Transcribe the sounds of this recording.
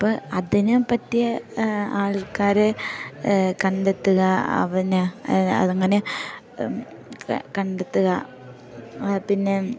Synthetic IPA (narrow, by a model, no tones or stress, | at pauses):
ɐpːoɐðinɨpɐtːijɐaːɭkaːɾe | kɐɳɖet̪ːuɣɐɐ̰ʋɐnɐ̰ðɐŋːɐne̞ | kɐɳɖet̪ːuɣɐ | pinːe̞